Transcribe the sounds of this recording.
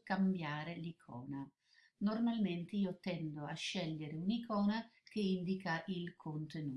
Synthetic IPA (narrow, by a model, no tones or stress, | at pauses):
kambjaːɾelikʰɔːna | normalment̪eiːot̪ɛnd̪oaʃːɛʎːeɾeunikɔːnak̟eind̪ikaʔilkʰont̪enuː